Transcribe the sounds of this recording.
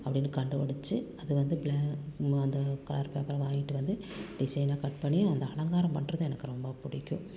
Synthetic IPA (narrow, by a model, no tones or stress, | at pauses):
ɐpːɐɽɪnːkɐɳɖɯʋɐɽɯt͡ʃːɯɐðɯʋɐnd̪ɯbɭːɐnd̪ɐkɐlaɾpeːpɐɾɐʋaːŋɡɪʈːɯʋɐnd̪ɯɖɪsɐɪnaːkɐʈpɐɳːij̃ɐnd̪ɐɐlɐŋɡaːɾɐmpɐɳːrɐðɯɛnɐkːɯɾɔmbɐpʊɽɪkʲːʊ̃